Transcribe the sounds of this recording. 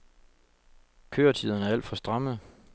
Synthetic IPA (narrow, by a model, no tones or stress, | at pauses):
kʰø̰ːɐt͡sʰiðˠɐnæɐæl̰d̥fɒ̽sd̥ʁɑ̈mð̩ˠ